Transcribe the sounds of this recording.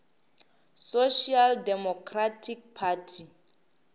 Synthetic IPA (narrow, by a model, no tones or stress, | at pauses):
soʃialdɛmɔkʰratʰik̚pʰatʰi